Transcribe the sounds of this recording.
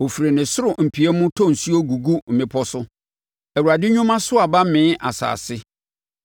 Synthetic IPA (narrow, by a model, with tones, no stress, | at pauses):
o˨fi˨ɾe˨nɪ̃˨sʊ˦ɾʊ˨m̩˨pʰi˨ɛ˦mʊ̃˦tʰɔ̃˦˨n̩˨su˦o˦ɡu˨ɡu˦m̩˨mɪ̃˨˦pʰɔ˦sʊ˦ | ɛ˨wu˨ɾa˨dɪ˦ɲʊ̃˦mã˦sʊ˦a˨ba˦mɪ̃˨˦ʔa˨sa̰ː˨sɪ˦